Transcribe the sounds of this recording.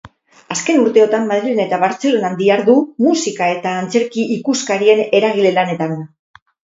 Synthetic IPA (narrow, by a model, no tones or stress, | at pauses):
aske̞nuɾt̪e̞o̞t̪ammað̞ɾilenae̞t̪aβaɾt͡se̞lo̞nand̪iaɾðumusikae̞t̪aːnt͡se̞ɾkiʔikuskaɾie̞ne̞ɾaɣ̞ile̞lane̞t̪an